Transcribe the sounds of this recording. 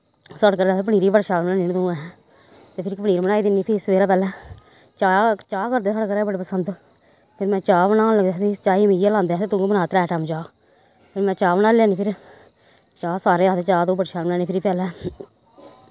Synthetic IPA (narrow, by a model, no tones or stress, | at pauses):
səɽkəɾːt̪eːp̬əɽ̃iːɾiːbəɽʃaːmnaːnint̪õːɛɛ | t̪eːpʰɪɾkpəɽiːɾbəɽaːiːd̪ɪnːiːpʰɪɪsʋeːɾaːpɛːlɛː | t͡ʃaːt͡ʃaːkəɾd̪eːsəɽkəɾɛːbəɽeːpəsənd̪ | pʰɪɾmɛ̃ːt͡ʃaːbənaːləɡd̪eːt̪eːt͡ʃaːiːmiːd͡ʒijaːlãːnd̪eɛːt̪eːt̪ʊ̃ːɡbənaːt̪ɾɛːʈɛːmt͡ʃaː | pʰɪɾmɛ̃ːt͡ʃaːbənaːlɛ̃aːniːpʰɪɾ | t͡ʃaːsaːɾeːaːt̪eːt͡ʃaːt̪õːbəɽʃaːənaːniːpʰɪɾiːpɛːlɛː